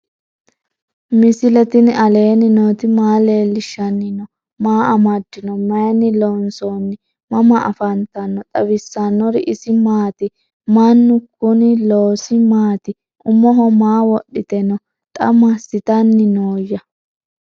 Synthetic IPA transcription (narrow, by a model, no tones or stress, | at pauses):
mɪsɪlɛt̪ɪnɪʔɐle̞ːnɪnoːt̪ɪmaːle̞ːlːɪʃːɐnːɪnɔ | maːɐmɐd̪ːɪnɔmɐjɐnːɪlonsonːɪ | mɐmɐʔɐ̰fɐnt̪ɐnːɔt̪ʼɐβɪsːɐnːɔɾɪʔɪsɪmaːt̪ɪ | manːʊkʊnɪloːsɪmaːt̪ɪ | ʔʊmːɔɦɔmaːwɔɗːɪt̪ɛnɔ | t̪ʼɐ̰mɐsɪt̪ɐnːɪnoːjːɐ